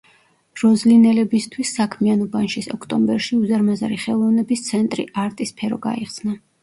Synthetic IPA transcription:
ɾɔzlinɛlɛbist̪ʰwisːakʰmianɔbanʃisɔ̰kʰt̪ʼɔmbɛɾʃiuzaɾmazaɾiχɛlˠɔvnɛbist̪sʰɛnt̪ʼɾḭʔaɾt̪ʼispʰɛɾɔ̰ɡa̰iχsna

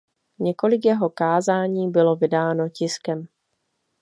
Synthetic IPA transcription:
ɲɛko̞lɪkjɛɦo̞kaːzaːɲiːbɪlo̞vɪdaːno̞cɪskɛm

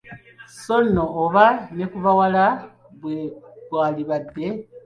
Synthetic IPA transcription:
so̞noːβanekuβawala | βweβwaːliβadːe̞

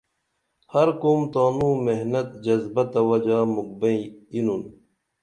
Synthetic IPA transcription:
hɐɾkoːmt̪aːnũːmeɦnɐt̪d͡ʑɐzbɐt̪ɐwɐd͡ʑaːmuk̚bẽinun

